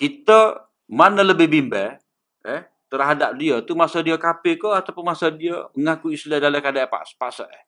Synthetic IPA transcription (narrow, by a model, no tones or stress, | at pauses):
kit̪ə | manələbɪhbimbɛ | ɛh | t̪ərɦadap̚diət̪umasədiəkapɪkɔat̪awpʊnmasədiəəŋakuisladaləkadaʔpa̰ʔspaʔsəʔɛ